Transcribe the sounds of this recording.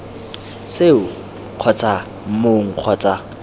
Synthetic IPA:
seʊ | q͡χʰɔt͡sʼa | m̩moŋ̩q͡χʰɔt͡sʼa

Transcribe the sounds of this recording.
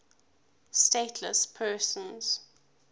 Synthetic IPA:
steɪtʰlə̰spʰɜːsə̃nz̥

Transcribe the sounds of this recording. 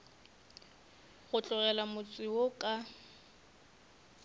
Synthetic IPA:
ɣʊt͡ɬʼʊɣɛlamʊt͡sʼɪwokʼa

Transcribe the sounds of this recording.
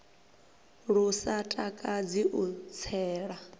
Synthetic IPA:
ɺusatʼakʼad͡ziʔut͡sʰɛːɺa

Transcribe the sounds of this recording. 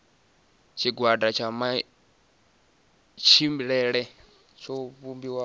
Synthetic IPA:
t͡ʃʰiɡwadʼat͡ʃʰama | t͡ʃʰimɺɛɺɛ | t͡ʃʰɔβumbiwa

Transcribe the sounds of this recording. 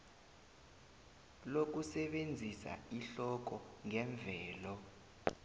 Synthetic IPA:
lok̬usɛɓend͡zʱisa̰iɬɔk̬ɔŋɛɱb̪vʱɛːlɔ

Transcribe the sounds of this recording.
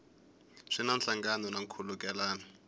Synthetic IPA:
ʂinanɬaŋɡanɔnaŋkʰulukʼɛlaːnɔ

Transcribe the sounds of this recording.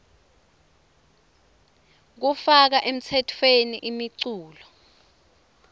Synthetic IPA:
k̬ufak̬aʔem̩t͡sʰɛtʰweniʔimiǀuːlɔ

